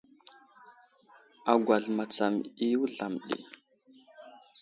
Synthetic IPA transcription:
a˨ɡʷa˨ɮma˨t͡sa˨mi˦wu˦ɮa˨mɗḭ˨

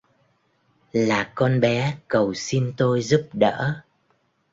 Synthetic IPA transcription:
laː˨˩kɔ˧nɓɛ˨˦kə˨˩wsi˧nt̪o˧jzu˦˥p̚ɗə̰ː˧˥

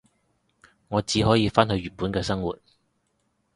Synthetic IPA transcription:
ŋɔː˨˧t͡siː˨˥ɦɔː˨˥jiː˧faː˥nɦɵ˧ɥyː˨˩npuː˨˥nkɛː˧sɐ˥ŋwṵː˨t̚

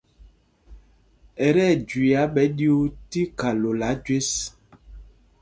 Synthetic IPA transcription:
ɛ˨ɾɛ˦˨d͡ʒi˨a˨˦ɓɛ˨˦ɗi˦u˦ti˦ka˨lo˨la˨˦d͡ʒwe˦s

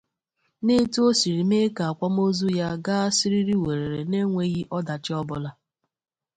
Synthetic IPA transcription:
ne˦tu˦o˦si˨ɾi˨m˦e˦ka˨a˨kʷa˦m̩˦o˦zu˦ja˦ɡa˦a˦si˦ɾi˦ɾi˦we˨ɾe˨ɾe˨ne˦ŋʷe˦ɣi˦ʔɔ˦da˨t͡ʃɪ˦ɔ˦bʊ˨la˦

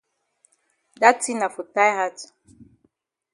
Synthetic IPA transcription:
da˦ti˦na˨fu˨ta˦jha˦t

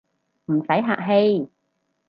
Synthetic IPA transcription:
m̩˨˩sɐ˨˥jɦaː˧˨k̚ɦe˧j

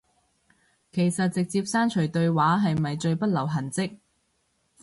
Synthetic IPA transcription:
kʰe˨˩jsɐ˨t̚t͡sɪ˨k̚t͡siː˧˥p̚saː˥nt͡ʃʰɵ˨˩ɥt̪ɵ˧ɥwaː˨˥ɦɐ˨jmɐ˨jt͡ʃɵ˧ɥpɐ˥t̚lɐ˨˩wɦɐ˨˩nt͡sɪ˥k̚

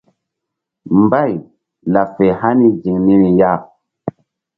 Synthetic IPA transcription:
mba˦˨j | la˨fe˨ha˦ni˦d͡ʒi˨ŋni˦ɾi˨ja˦

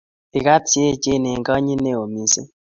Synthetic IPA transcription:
i˨ka˦tje˦˨d͡ʒe˦˨ne˨ŋɡa˦ɲi˦ne˦o˨mi˨sḛ˦

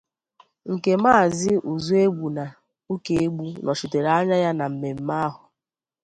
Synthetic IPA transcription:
ŋ̩˨ke˨maː˦˨zɪ˦ʔu˨zu˦e˦ɡ͡bu˨na˨ | u˦ke˨e˦ɡ͡bu˦nʔɔ˨t͡ʃi˨te˨ɾa˦ɲa˦ja˦na˨m̩˨me˨m̩˦ma˦a˦ɦʊ˨

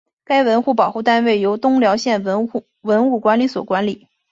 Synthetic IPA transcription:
ka˥ɪwə˧˥nxu˥˩p̬ɑ˨˩ʊxu˥˩t̪a˥nwe˥˩ɪjo˧˥ʊt̪ʊ˥ŋljɑ˧˥ʊɕjɛ˥˩n˥˩ | wə˧˥nu˥˩kwa˧˥nli˧˥swɔ̰˨˩kwa˧˥nli˨˩˦

